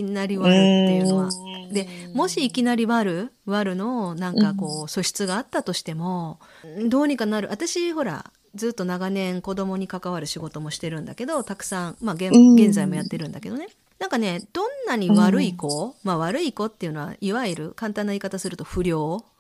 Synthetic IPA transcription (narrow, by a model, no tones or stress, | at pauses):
ikʲinaɾʲiβaɾɯt̪ːe̞jɯ̟no̞βad̪e̞mo̞ɕiːkʲinaɾʲiβaɾɯ̟ | βaɾɯ̟no̞nãŋkako̞ːso̞ɕi̥t͡sɨɡaːt̪ːat̪o̞ɕi̥t̪e̞mo̞ | d̪o̞ːɲ̟ikanaɾɯ̟ʔat̪aɕiho̞ɾa̰ | d͡zɨːt̪ːo̞naɡanẽ̞ŋko̞d̪o̞mo̞ɲ̟ikakaβaɾɯ̟ɕiɡo̞t̪o̞mo̞ɕi̥t̪e̞ɾɯ̟̃nd̪ake̞d̪o̞t̪akɯ̟̥sãŋmaɡẽɡẽ̞nd͡zaimo̞jat̪ːe̞ɾɯ̟̃nd̪ake̞d̪o̞ne̞ | nãŋkane̞d̪õ̞nːaɲ̟iβaɾɯ̟iko̞maβaɾɯ̟iko̞t̪ːe̞iɯ̟no̞βa̰iβaiɾɯ̟̰kãnt̪ãnːaikat̪asɨɾɯ̟t̪o̞ɸɯ̟ɾʲo̞ː